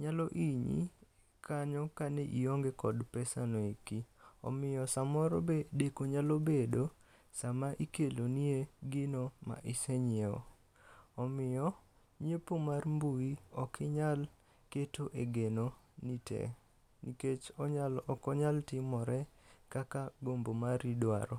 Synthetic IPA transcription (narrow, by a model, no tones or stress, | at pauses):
ɲalɔʔiɲḭ | kaɲɔkaneʔḭoŋɡekɔdpɛsanoikiɔ̰mɪjɔsamɔɾobedekoɲalobedo | samaʔikelonieɡɪnoma̰ʔɪseɲeɔ̰ | ɔmɪjɔ | ɲepomarmbuiɔkʰɪɲal | ketoʔeɡenonitɛ̰ | niket͡ʃɔɲalɔkɔɲaltɪmɔɾɛkakaɡombomaɾidwa̰ɾɔ